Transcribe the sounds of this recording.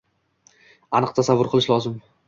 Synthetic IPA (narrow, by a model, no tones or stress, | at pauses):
anɨq̚t̪ʰasavʊɾqʰɨlˠɪʃlɒzɪm